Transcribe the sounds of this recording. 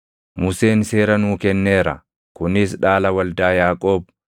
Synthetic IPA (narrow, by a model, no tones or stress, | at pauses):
mʊse̞ːnse̞ːɾɐnuːkɛnːeːɾɐ̰ | kʊnɪsᶑaːlɐwɐld̪aːjaːkʼo̞ːb̚